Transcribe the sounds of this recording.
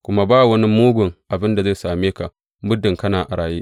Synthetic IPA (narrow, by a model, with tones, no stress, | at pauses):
kʷʊ˦ma˦baː˦˨wɐ˦ni˦muː˦ɡʷʊ˨ŋʔa˨bɪ˦nda˨za˦˨saː˨meː˦ka˨ | mbʊ˦dɪ˨ŋkɐ˦naː˨ʔa˨ɾaː˨jiː˦